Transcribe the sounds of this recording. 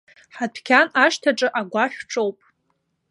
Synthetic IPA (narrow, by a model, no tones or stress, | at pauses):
ħatpʰkʲʰanaʂtʰaʈ͡ʂʼɨʔaɡʷaʃʲʷᶣʈ͡ʂʼowpʼ